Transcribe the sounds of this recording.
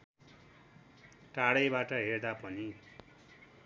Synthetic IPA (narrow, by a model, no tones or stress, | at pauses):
ʈaɽʌjbaʈʌɦerd̪apʌni